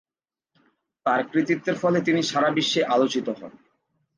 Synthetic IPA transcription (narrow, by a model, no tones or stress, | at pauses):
t̪aɾkɾit̪it̪ːeɾfɔlet̪iniʃaɾabiʃːeʔalot͡ɕit̪oɦɔ̰n